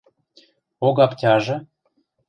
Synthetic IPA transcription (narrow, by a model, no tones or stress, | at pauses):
oɣɑptʲɑʒɤ̆